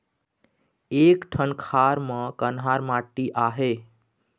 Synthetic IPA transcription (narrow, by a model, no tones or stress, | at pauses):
eːkʈʰənkʰaɾmə̃kənɦaɾmaʈːiʔaɦe